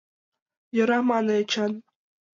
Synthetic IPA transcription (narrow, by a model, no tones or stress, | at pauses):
jɤ̆ɾɑmɑnɤt͡ɕɑn